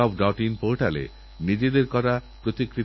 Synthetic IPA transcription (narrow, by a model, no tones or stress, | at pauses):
ɔbɖɔʈinpoɾʈalḛ | nid͡ʑed̪eɾkɔɾapɾot̪ikɾi